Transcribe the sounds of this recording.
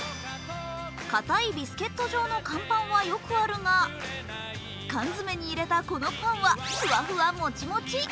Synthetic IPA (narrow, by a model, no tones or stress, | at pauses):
kat̪aibʲisɨ̥ke̞t̪ːo̞ʑo̞ːno̞kãmpãɰ̃βajo̞kɯ̟aɾɯ̟ŋa | kãnzɨme̞ɲ̟iːɾe̞t̪ako̞no̞kãɰ̃βakɯβaɸɯ̟amot͡ɕimo̞t͡ɕi